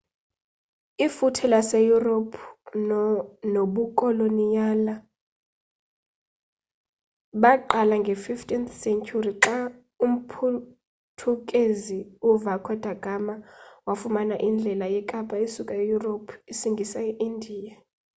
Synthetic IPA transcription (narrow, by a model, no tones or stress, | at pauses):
ifutʰɛlasejuropʰ | noɓukʼɔlonijala | ɓaǃalaŋɡʱɛfiftʼint̪ʰsɛnt͡ʃʰʼuriǁa | um̩pʰu | tʰukʼeziuvakʰɔd̥ʱaɡ̥ʱamawafumanaʔind͡ɮʱɛlajɛkʼapʼaisukʼajejuropʰisiŋɡʱisaʔindʱiːja